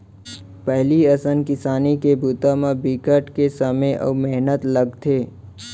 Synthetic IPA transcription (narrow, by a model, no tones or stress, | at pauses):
pəɦliəsənkɪsaːnikebut̪ãmãbikəʈkesəmeʔɔ̰ːmeɦnət̪ləɡt̪ʰeː